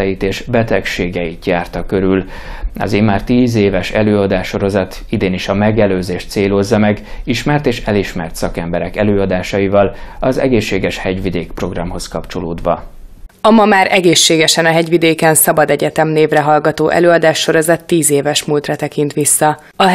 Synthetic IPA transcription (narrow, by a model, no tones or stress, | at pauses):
ɛjit̪eːʃbɛt̪ɛkʃeːɡɛjit̪jaːrt̪ɒkø̞ɾyl | ɒ̰zeːmaːrt̪iːzeːvɛʃɛ̰løːɒd̪aːʃːo̞ɾo̞zɒt̪ | id̪eːniʃɒmɛɡɛløːzeːʃt̪seːlozːɒmɛɡiʃmɛrt̪eːʃɛliʃmɛ̰rt̪sɒkɛmbɛɾɛkɛløːɒd̪aːʃɒivɒlɒzɛ̰ɡeːʃːeːɡɛʃhɛɟvid̪eːkpro̞ɡrɒmɦo̞skɒpt͡ʃo̞loːd̪ʋɒ̰ | ɒmɒmaːɾʔɛɡeːʃːeːɡɛʃɛnɒɦɛɟʋid̪eːkɛnsɒbɒd̪ɛɟɛt̪ɛmneːvrɛɦɒlɡɒt̪oːʔɛ̰løːɒd̪aːʃːo̞ɾo̞zɒt̪ːiːzeːvɛʃmuːlt̪rɒt̪ɛkint̪ʋisːɒ | ɒ